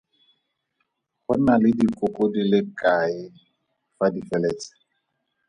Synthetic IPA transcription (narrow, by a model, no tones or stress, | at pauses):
χʊnalɪdikʼʊkʼodilɪkʼaɪ | fadifɛlɛːt͡sʼɪ̥